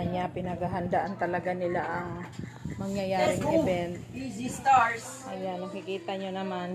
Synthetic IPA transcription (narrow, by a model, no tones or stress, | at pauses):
ɐɲapɪnɐɡaɦɐnd̪aʔɐnt̪ɐlɐɡanɪlaʔɐŋ | mɐŋjɐjaːɾɪŋɛbɛnt̪̚id͡ʒist̪aɹs | ʔɐjanːɐkɪkiːt̪ɐɲonɐman